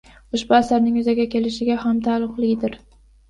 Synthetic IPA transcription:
ʊʃbʊasaɾnɪŋʊzaɡʲakʲʰe̞lɪʃɪɡʲahamt̪ʰalˠʊqlɪɡʲd̪ɪɾ

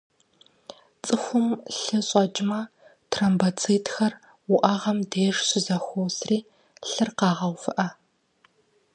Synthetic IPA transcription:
t͡sʼɨxʷʊmɬɨɕʼɐd͡ʒʼɪmɐ | tʰrɐmbɐt͡sʰiːtxɐr | wʊʔaːʁɐmdeːʂɕɪzɐxʷowsriː | ɬɨrqɑːʁɐwfɨʔɐ

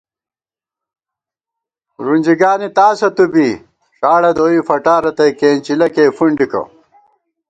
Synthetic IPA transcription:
ɾunʲd͡ʑiɡaːnit̪aːsɐt̪ubi | ʂaːɽɐd̪oːifɐʈaːɾɐt̪ɐkeːnt͡ɕilɐkeːfuɳɖikɐ̰

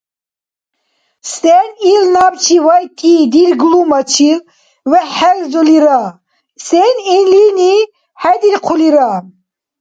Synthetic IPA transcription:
sɛnilnabt͡ʃʰiwajt̪ʰid̪ilɡlumɐt͡ʃʰi | wɛħɛlzuliɾa | sɛninlini | hajd̪ilqʰuliɾa

